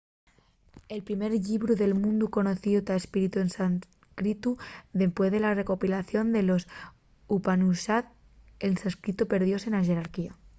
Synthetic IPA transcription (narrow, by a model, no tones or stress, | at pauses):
elpɾimeɾʎiβɾuðe̞lmũnd̪uko̞noθiot̪aespiɾit̪uensan | kɾit̪uðe̞mpweðelarekopilaθjo̞nd̪elos | upanusat̪̚ | ensanskɾit̪opeɾðjosenaʒeɾaɾkia